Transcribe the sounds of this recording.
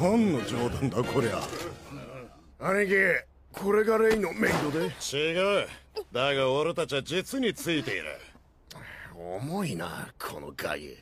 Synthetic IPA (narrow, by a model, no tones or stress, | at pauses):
ãnːod͡ʑoːd̪ãnd̪akoɾea̰ | aiɡe | kʰo̞ɾe̞ɡaɾeinomẽnd̪o̞d̪et͡ɕiɡaɯd̪aɡaoɾet̪at͡ɕiβad͡ʑit͡sɨɲ̟it͡sɨit̪e̞ḭɾɯ̰ | omo̞ina̰kʰo̞̰no̰ɡa̰ɡʲɯ̰